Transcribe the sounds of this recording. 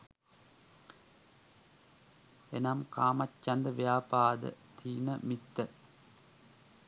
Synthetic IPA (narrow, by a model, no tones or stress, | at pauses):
enamkaːmatt͡ʃːand̪əʋjaːpaːd̪ə̰t̪ʰiːnəmit̪ːə